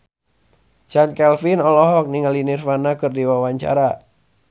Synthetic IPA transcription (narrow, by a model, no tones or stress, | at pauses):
t͡ʃankɛlfinɔlɔɦɔk̚niŋalinirfanakɨrdiwawaɲt͡ʃa̰ɾa